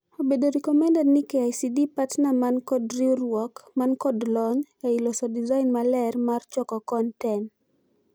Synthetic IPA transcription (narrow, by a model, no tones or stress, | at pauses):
obedoɾikɔmɛndanɪkɛajsidipatnamankɔdɾiuɾwɔkmankɔdlɔɲɛilɔsɔdizainmalɛrmart͡ʃɔkɔkɔntɛn